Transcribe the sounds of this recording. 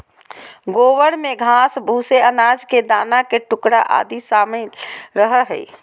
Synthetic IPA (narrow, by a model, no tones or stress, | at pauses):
ɡoʋəɽmeɡʱasbʱuseənad͡ʒked̪aːnakeʈʊkɽa̰ʔa̰d̪isamiɾəɦəɦə̰